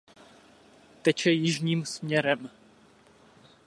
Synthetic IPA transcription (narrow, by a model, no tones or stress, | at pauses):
t̪ɛt͡ʃɛjɪʒɲiːmsmɲɛɾɛm